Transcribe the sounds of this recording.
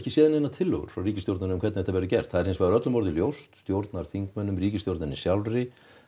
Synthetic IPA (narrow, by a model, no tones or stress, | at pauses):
cɪsjɛːðɪnenat̪ʰɪlːœ̰ɣʏ̰ɾ̥fɾawriːcɪst̪jowɾt̪nanʏmkʰvɛt̪θɛt̪avɛɾʏcɛr̥t̪θaðɛɾ̥hensvaðʏɾœt̪lʏmɔɾðɪljowst̪st̪jowɾt̪naɾ̥θiŋkmœnːʏmriːcɪst̪jowɾt̪nɪnisjawlrɪ